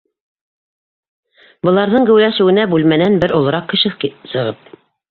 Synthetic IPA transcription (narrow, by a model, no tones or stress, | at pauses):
bɤ̆lˠɑɾðɤɴɡɘ̆wlæʃɘ̆wɘ̆næbʉlmænænbɘɾŏlˠɤ̆ɾɑqkɘ̆ʃɘsɤ̆ʁɤp̚